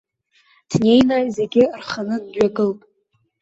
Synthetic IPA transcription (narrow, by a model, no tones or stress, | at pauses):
d̥ne̞jnajze̞ɡʲɪrχanɨdɥaɡɨlpʼ